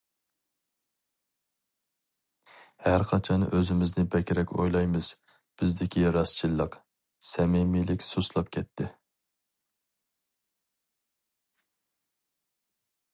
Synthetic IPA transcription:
hæɾqʰɑt͡ʃʰɑnøzɪmɪznɪbɛkʲɾɛkʲo̰jlˠɑjmɨz̥ | b̥ɪzd̪ɪkʲiɾɑst͡ʃʰilˠːəq | sɛmɪmilɪkʲsuslˠɑp̚kʲʰɛt̪ʰːɪ

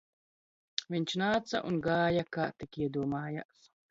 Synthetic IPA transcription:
vʲiɲʲt͡ʃnaːt̪sa̰ʔunɡaːjaka̰ːt̪ikiɛd̪uɔmaːja̰s

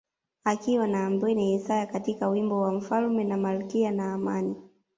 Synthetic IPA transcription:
akiwanaːmbwɛnihɛsajakatikawimbɔwam̩falmɛnamalukianaːmani

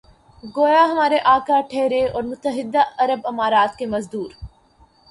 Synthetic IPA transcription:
ɡoːjaɦɐmaːɾeʔaːkaʈʰeːɾeɔːɾmʊt̪əɦɪd̪ːaɐɾəbɐmaːɾaːt̪kemɐzd̪uːɾ

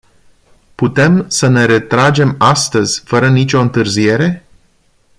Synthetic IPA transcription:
put̪e̞msəne̞ɾe̞t̪ɾad͡ʒe̞mast̪əzʲfəɾənit͡ʃʲo̞ɨnt̪ɨrzie̞ɾe̞

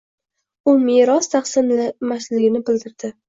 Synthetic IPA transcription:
ʊmeɾɒst̪ʰɑχsɪmmaslɪɡʲɪnɪbɪld̪ɪɾd̪̥ɪ

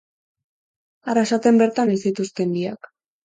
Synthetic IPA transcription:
aɾasat̪embe̞ɾt̪anesit̪ust̪e̞nd̪iak

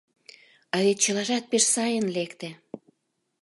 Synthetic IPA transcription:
ɑðet̪̚t͡ɕə̆lɑʒɑt̪̚peʃsɑjənlekt̪ĕ

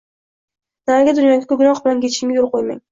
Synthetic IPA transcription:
naɡʲad̪ʊnjɒɡʲakʲʰɵɡɾɒqbɪlankʲʰet͡ʃʰɪmʲɪjolˠqojma̰ŋ

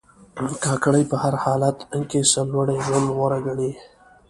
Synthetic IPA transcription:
kɑːkɽəjpəhaɾhɑːlat̪əŋkesalwaɽeʒwand̪ɣaɾaɡaɽi

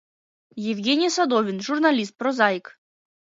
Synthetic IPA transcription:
jɪvʲɡʲenʲijsad̪ɔvʲɪnʐurnɐlʲist̪̚pɾɔzajk

